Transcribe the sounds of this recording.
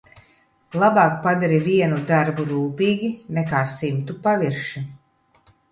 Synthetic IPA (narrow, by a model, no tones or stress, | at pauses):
lˠabaːkpad̪aɾiviɛnud̪aɾbuɾuːpiːɡʲinɛkaːsimt̪upaviɾʃi